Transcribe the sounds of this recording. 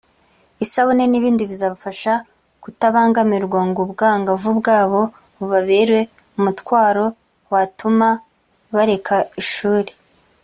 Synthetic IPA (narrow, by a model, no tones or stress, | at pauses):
isaβuneniβiːndivizaːβafaʃa | kutaβaːŋɡamiɾɡwaŋɡubɡaːŋɡavubɡaːβo̞ | βuβaβeːɾwe̞ | umutwaːɾo̞ | watuma | βaɾe̞kʰaiʃuːɾe